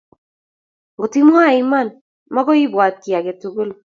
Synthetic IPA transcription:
ɡo˨ti˦mwa˦˨ima˦˨n | mɔ˦ɡɔ˦i˦bwa˨t̚ki˨a˨ɡe˨tu˨ɡu˦l

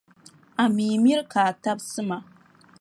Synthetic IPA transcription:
a˨miː˨mi˦ɾkaː˨ta˦bsɨ˦ma˨

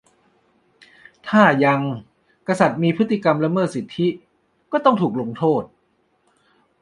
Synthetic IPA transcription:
t̪ʰaː˥˩ja˧ŋ | ka˧sa˨˩t̪̚miː˧pʰɯ˦˥t̪ʰːi˧˩ka˧mɾa˧˥mɤː˥˩t̪̚si˨˩t̪ʰːi˦˥ | kɔː˥˩t̪ɔ˥˩ŋt̪ʰuː˨˩k̚lo˧ŋt̪ʰoː˥˩t̪̚

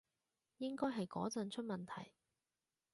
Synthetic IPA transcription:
jɪ˥ŋkɔː˥jɦɐ˨jkɔ̰ː˨˥t͡sɐ˨nt͡ʃʰɵ˥t̚mɐ˨nt̪ʰɐ̰˨˩j

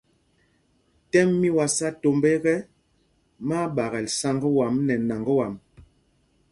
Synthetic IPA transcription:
tɛ˦mːi˦wa˨sa˦to˨mbe˦ɣɛ˦ | ma˦ɓa˨ɣɛ˨lsa˦ŋɡə˦wa˨mnɛ˨na˨ŋɡə˦wa˨m

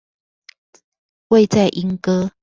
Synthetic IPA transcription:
we˥˧ɪt͡sa˥˨ɪʔi˧˥ŋkɤ˥

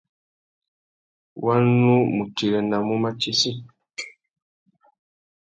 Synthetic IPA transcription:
wa˦nu˦mu˨ti˨ɾɛ˨na˨mu˦ma˦t͡ʃi˦si˦

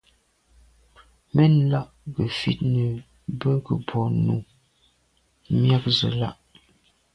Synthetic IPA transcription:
mɛ˦n˦la˦ʔɡə˨fḭ˦˨t̚nə˨ | bə˦ɡə˨pʰɔ˨nu˨ | mja˦k̚zə̰˨la̰˦ʔ

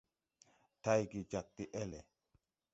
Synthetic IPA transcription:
ta˦jɡi˨d͡ʒa˨k̚ti˨ʔɛ˦lɛ˨

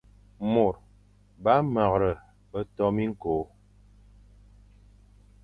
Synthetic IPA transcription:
mo˨ɾ | ba˦ma˨ɣɾə˨ | bə˦tɔ˦mi˦ŋ̩˦ko˨˦

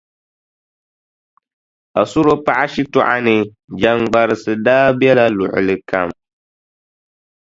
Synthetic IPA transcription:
a˨sʊ˦ɾo˦pa˦ʔa˦ʃi˦tʊ˦ʔa˦nɨ˨ | d͡ʒa˨ŋɡ͡ba˨ɾɨ˨sɨ˨daː˦bjɛ˦la˦lʊ̰˨ʔʊ̰˨lɨ˨ka˨m

